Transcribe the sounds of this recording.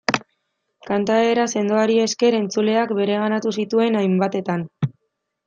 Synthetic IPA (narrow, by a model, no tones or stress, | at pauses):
kant̪ae̞ɾase̞nd̪oaɾie̞ske̞ɾe̞nt͡sule̞akbe̞ɾe̞ɣ̞anat̪usit̪ue̞najmbat̪e̞t̪an